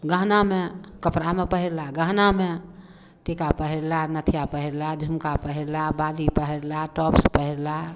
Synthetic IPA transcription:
ɡãɦnamekəpɾamepəɦiɾlaɡãɦname | ʈekapəɦiɾlanət̪ʰijapəɦiɾlad͡ʒʱumkapəɦiɾlabalipəɦiɾlaʈɔpspəɦiɾla

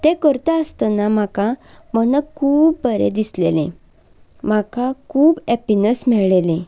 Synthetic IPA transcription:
t̪ekəɾt̪aəst̪ənam̤akamənəkkʰuːbbʱəɾḛd̪islḛlẽ | m̤akakʰuːbɛpinəsmɛɭelẽ

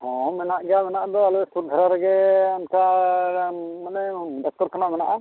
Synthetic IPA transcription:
hɔ̃mɛnaʔɡɛjamɛnaʔad̪ɔalɔstuɡʱaɾaɾɛɡɛamtʰa | manɛɖɔk̚tɔɾkanamɛnaʔa

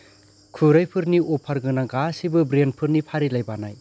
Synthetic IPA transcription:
kʰuɾajpʰɯɾniopʰaɾɡɯnaɡasibɯbɾenpʰɯɾnipʰaɾilajbanaj

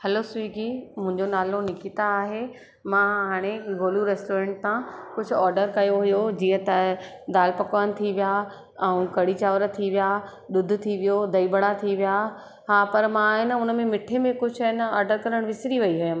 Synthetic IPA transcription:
hɐlosiːɡiːmʊ̃ɦɪ̃ɲd͡ʑonaːlonɪkit̪aːɦe | mãɦaːɽ̃eɡoːluɾɛːsʈoːɾẽːɳʈsãkʊd͡ʑʱʊ̆ɔːɾɖəɾkɐjoɦʊjod͡ʑiːə̃t̪aː | d̪aːlpɐkʋañɪ̆t̪ʰiʋija | ɛũkɐɽit͡ɕaːʋɾt̪ʰiʋija | ɗ̪ʊd̪̆ʱt̪ʰiʋijod̪ɐibɐɽat̪ʰiʋija | ɦaːpɐɾmãːɦɪnəʊnəmẽmɪʈʰemẽkʊd͡ʑʱɪnɔːɾɖəɾkɐɾəɽ̃ʋɪsɪɾiʋɐiɦʊjəm

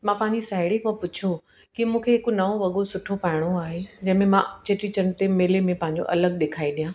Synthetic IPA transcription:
mãpaːɦɪɲd͡ʑisaːɦɪɽikõpʊt͡ɕʰo | kimũːkʰeɦɪkonɐʋõʋɐɠosʊʈʰopaːɦɪɽ̃oaːɦed͡ʑɐ̃ɦɪ̃mẽmãt͡ɕeːʈɾit͡ɕɐn̆t̪emeːlemẽpɐ̃ɦɪ̃ɲ̆d͡ʑo̰ʔɐləɡ̚ɗeːkʰaːiɗijãː

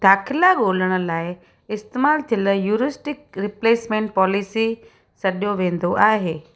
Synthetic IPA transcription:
d̪̥aːxʰɪlaɠoːləɽ̃ə̆laːɪ | ɪst̪eːmaːlt̪ʰiləjuːɾɪsʈɪk̚ɾɪpleːsmẽːɳʈ̚pɔːlɪsi | sɐɗoʋẽːn̆d̪oʔaːɦeː

